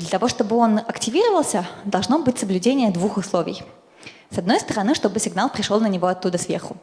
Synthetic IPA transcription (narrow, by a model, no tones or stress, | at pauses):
d̪lʲət̪ɐvo̞ʂt̪o̞bɨo̞nɐktʲɪvʲiɾəvəlˠsʲəd̪ɐlˠʐno̞bɨtʲsəblʲʉdʲenʲɪjəd̪vuxʊslˠovʲɪ̰j | sɐd̪no̞jst̪əɾɐnɨʂt̪o̞bɨsʲɪɡnalˠpɾʲɪʂolˠnənʲɪvo̞ɐt̪ːud̪əsvʲerxʊ